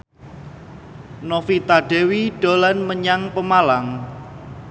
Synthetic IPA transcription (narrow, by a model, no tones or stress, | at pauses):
nofit̪aɖ̥ewiɖ̥o̤lanməɲaŋpəmalaŋ